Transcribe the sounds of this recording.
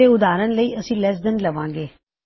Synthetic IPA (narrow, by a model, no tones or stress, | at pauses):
eːʊd̪aːɾənləiːʔəsĩːlɛs̬d̪ənləʋãːŋɡeː